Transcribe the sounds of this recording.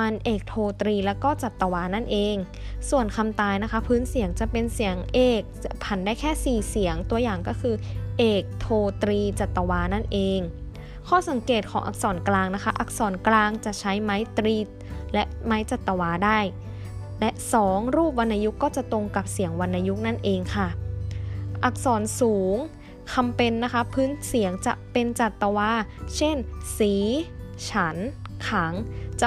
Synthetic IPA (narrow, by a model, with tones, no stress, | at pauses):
ma˧nʔeː˨˩k̚t̪ʰoː˧t̪ɾiː˧lɛː˦˥wkɔː˥˩t͡ɕa˨˩t̪ːa˧waː˦˥na˥˩nʔeː˧ŋ | su˨˩ənkʰa˧mt̪aː˧jna˦˥kʰa˦˥pʰɯː˦˥nsi˨˩˦əŋt͡ɕa˨˩pe˧nsi˩˦əŋʔeː˨˩k̚pʰa˨˩ndaː˥˩jkʰɛː˥˩siː˨˩si˩˦əŋt̪u˧ɐjaː˨˩ŋkɔː˥˩kʰɯː˧ʔeː˨˩k̚t̪ʰoː˧t̪ɾiː˧t͡ɕa˨˩t̪ːa˧waː˦˥na˥˩nʔeː˧ŋ | kʰɔː˥˩sa˩˦ŋkeː˨˩t̪̚kʰɔː˩˦ʔa̰˧˩k̚sɔː˩˦nklaː˧ŋna˦˥kʰa˦˥ʔa˦˥k̚sɔː˩˦nklaː˧ŋt͡ɕa˨˩ʔt͡ɕʰa˦˥jma˦˥jt̪ɾiː˦˥t̪̚lɛ˦˥ʔma˦˥jt͡ɕa˨˩t̪ːa˧waː˧˥daː˥˩j | lɛ˦˥ʔsɔː˩˦ŋɾuː˥˩p̬̚wa˧nʔaː˧ju˦˥kːɔː˥˩t͡ɕa˨˩ʔt̪o˧ŋka˨˩p̚si˨˩˦əŋwa˧nʔaː˧ju˦˥k̚na˥˩nʔeː˧ŋkʰa˥˩ | ʔa˨˩k̚sɔː˩˦nsuː˩˦ŋ | kʰa˧mpe˧nːa˦˥kʰa˦˥pʰɯː˦˥nsi˩˦əŋt͡ɕa̰˨˩pe˧nt͡ɕa˨˩t̪ːa˧waː˧˥t͡ɕʰe˥˩nsiː˩˦t͡ɕʰa˦nkʰaː˩˦ŋt͡ɕa˨˩